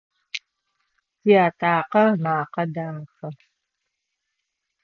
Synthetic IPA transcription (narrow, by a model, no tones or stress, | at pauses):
iaːtʰʼaːqɐrmaːqɐdaːmxɐ